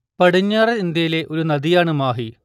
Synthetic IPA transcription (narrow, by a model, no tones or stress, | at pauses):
pɐɽiɲːaːreind̪jɐjile̞ʔo̞ɾunɐd̪ijaːɳɨmaːɦi